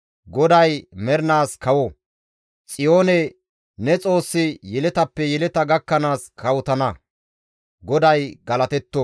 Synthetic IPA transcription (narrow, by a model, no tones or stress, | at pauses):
ɡɔd̪ɐjmɛɾnaːskɐwɔ | t͡sʼɪjo̞ːnɛ | nɛt͡sʼo̞ːsːɪjɛlɛt̪ɐpːɛjɛlɛt̪ɐɡɐkːɐnaːskʰɐwɔt̪ɐnɐ | ɡɔd̪ɐjɡɐlɐt̪ɛt̪ːɔ